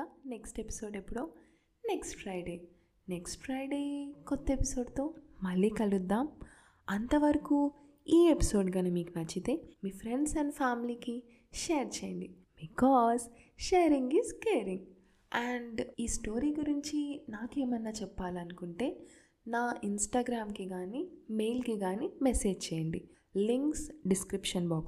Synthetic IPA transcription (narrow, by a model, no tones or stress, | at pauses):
ane̞ksʈepi̥so̞ːɖepːuɽoː | ne̞ksʈpʰɾɐjɖe̞ː | neksʈpʰɾajɖeːkot̪ːɐepiso̞ːɖt̪o̞ːmɐlːiːkɐlud̪ːaːm | ɐnt̪ɐʋɐɾɐkuː | iːepi̥so̞ːɖɡɐnɐmiːkunɐt͡ʃːit̪eːmiːpʰɾe̞ɳɖsɐɳɖpʰaːmiliːki | ʃeːɐɾt͡ʃeːjɐɳɖi | bikɔːz | ʃeːɾiŋɡiːzkeːɾiŋ | aɳɖiːsʈo̞ːɾiːɡuɾiɲt͡ʃinaːkeːmɐnːaːt͡ʃɛpːaːlɐnukuɳʈe̞ː | naːinsʈaːɡɾaːmkiɡaːnimejlkiɡaːniːmese̞ːd͡ʒt͡ʃeːjɐɳɖi | liŋksɖiskɾipʂɐnbɔːk